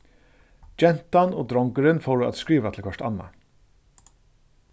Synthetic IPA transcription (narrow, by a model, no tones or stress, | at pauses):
d͡ʒɛnt̪ɑnoːd̪ɾɔŋɡəɾənfoːɖʉːɑ̰t̪skɹiːʋat̪ʰl̩kʰœʂʈɑ̰nːɑ̰